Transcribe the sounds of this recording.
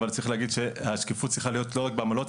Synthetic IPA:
valt͡saʁiχleaɡid̪ʃe̞haʃkifut̚tt͡sʁiχalijot̪lo̞ʁak̚beamalo̞t

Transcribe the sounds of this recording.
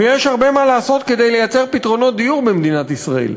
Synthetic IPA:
ejɛʃhaʁbe̞malaːso̞t̪ked̪e̞jlejat͡se̞ʁpit̪ʁo̞no̞t̚d̪ijuʁbemd̪inat̪isʁaḛl

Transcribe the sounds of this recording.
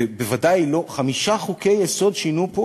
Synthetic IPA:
ebevadajlo̞χamiʃaχuke̞jːeso̞dʃinupo

